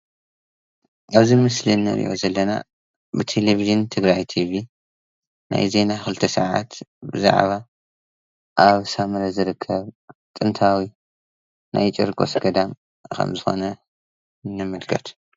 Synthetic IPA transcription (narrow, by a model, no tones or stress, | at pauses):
ʔaβzimɨslinːɨ̰ʔḭjʔo̞zɐlːɐna̰ | bɨt̪ʰe̞leviʒɨnt̪ʰɨɡɾajt̪ʰiβi | na̰jze̞naxɨlɨt̪ʰɐsɐʕa̰t̪bɨza̰ʕβa | ʔaβsamɐlɐzɨɾɨkʰːɐβt̪ʼɨnt̪ʰawi | na̰jt͡ʃʼɨɾɡʼo̞̰sɡɐd̪am | kʰɐ̰mzɨxo̞̰nɐ | nɨmɐlkʰɐt̪ʰ